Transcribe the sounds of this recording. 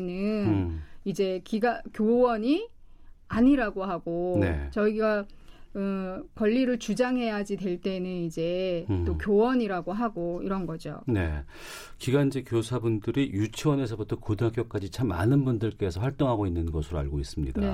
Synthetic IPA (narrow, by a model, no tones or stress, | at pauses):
nɯnid͡ʑe̞kiɡakjowʌɲi | aɲiɾaɡoɦaɡone̞̰t͡ɕʌiɡaɯkwʌʎːiɾɯɭt͡ɕud͡ʑaŋɦe̞jad͡ʑidwe̞ɭt͈e̞nɯnid͡ʑe̞t͈okjowʌɲiɾaɡoɦaɡoiɾʌnɡʌd͡ʑo̰ne̞̰ | kiɡand͡ʑekjosʰabundɯɾijut͡ɕʰiwʌne̞sʰʌbutʰʌkodɯɦak͈jʌk̚k͈ad͡ʑit͡ɕʰamːa̰nɯnbundɯɭk͈e̞sʰʌɸwaɭt͈oŋɦaɡoinːɯnɡʌsʰɯɾoa̰ɭɡois͈ɯmɲḭdae